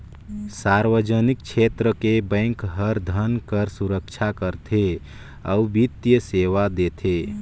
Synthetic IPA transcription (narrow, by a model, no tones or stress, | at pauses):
saːɾʋəd͡ʒənik̚t͡ʃʰet̪ɾəkebə̃ːŋkɦəɾd̪ʱənkəɾsuɾəkt͡ʃʰakəɾt̪ʰe | əubit̪jəseːʋad̪et̪ʰe